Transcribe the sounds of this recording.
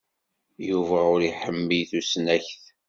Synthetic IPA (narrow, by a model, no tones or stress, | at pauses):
juvæʊɾiħəmːijθusnæçθ